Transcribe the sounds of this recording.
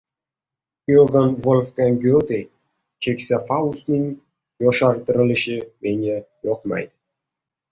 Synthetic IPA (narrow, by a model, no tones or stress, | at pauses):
øɡənvolʲfkɑnʲɡʲøt̪e | kekʲsʲefɑust̪ninʲ | joʃɑrt̪ə̆ɾlʲiʃemenʲejoqmɑ̰jt̪